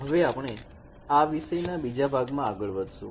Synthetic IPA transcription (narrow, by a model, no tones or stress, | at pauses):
ɦəʋeapɳ̃e | aʋiʃəjnabid͡ʒabʱaɡmãaɡəɭʋəd̪ʱʃṵ̃